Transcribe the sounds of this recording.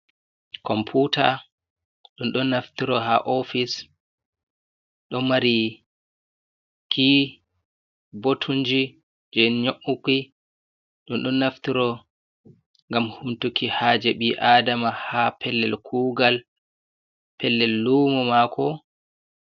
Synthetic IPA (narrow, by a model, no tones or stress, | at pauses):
kʰɔmpʰutʰa | ɗunɗɔnːaftiɾɔɦa̰ʔofis | ɗɔmaɾi | ki | botʰuɲd͡ʒi | d͡ʒɛɲoʔukːi | ɗunɗɔnːaftiɾɔ | ŋɡamhumtukihaːd͡ʒɛɓiʔadamahapʰɛlːɛlkʰuːɡal | pʰɛlːɛlːumɔmakʰɔ